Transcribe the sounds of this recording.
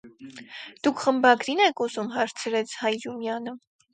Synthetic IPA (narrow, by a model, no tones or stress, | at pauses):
d̪̥ukʰχəmbɑɡɾinɛkʰuzumɦɑɾt͡sʰəɾɛt͡sʰhɑjɾumjɑnə